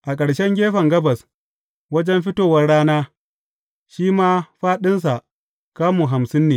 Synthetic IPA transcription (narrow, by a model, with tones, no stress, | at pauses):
ʔa˨kʼɐ˨ɽʃɛ˦ŋɡʲeː˦ɸɐ˨ŋɡɐ˦bɐ˨s | wɐ˦d͡ʒɛ˦mɸɪ˦toː˦wɐ˦rɽːaː˦naː˦ | ʃiː˦maː˦ɸaː˦ɗɪ˦ns̬a˨ʔ | kaː˦muː˨ɦa˨msɪ˦nːeː˨